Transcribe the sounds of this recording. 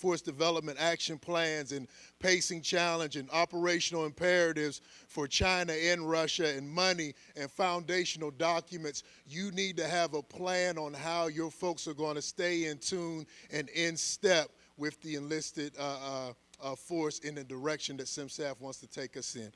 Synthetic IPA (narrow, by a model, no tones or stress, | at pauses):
fɔɹsd̥ɨvɛlˠəp̚mɨ̃ɾ̃tækʃɨ̃npʰl̥æ̃nzɨ̃n | pʰeɪsɪ̃ŋt͡ʃʰælˠəɨ̃nd͡ʒɨ̃nɑpə˞eɪʃnl̩ˠə̃mpʰɛɹɨɾɪvz̥fə˞t͡ʃʰãɪ̃nɨɪ̃nɹʌʃɨɨ̃nmʌni | ɨ̃nfãʊ̃ndeɪʃɨn̩l̩ˠdɑkjɨmɨ̃nts | jɨnid̚tɨːvəpʰl̥æ̃nə̃nɦaʊjə˞foʊksə˞ɡoɪ̃nɨsteɪɪ̃ntʰũnɨ̃nɪ̃nstɛp̚ | wɪððiɨ̃nlɪstɪd | fɔɹsɨ̃nðɨdə˞ɛkʃɨ̃nðɨtsɪ̃msæfwɑ̃ntstʰɨtʰeɪkʌsɪ̰̃n